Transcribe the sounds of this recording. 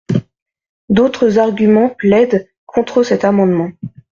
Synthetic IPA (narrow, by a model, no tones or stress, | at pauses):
d̪ot̪χəzaʁɡʲymɑ̃plɛd̪ | kʰɔ̃t̪χəsɛt̪amɑ̃d̪mɑ̃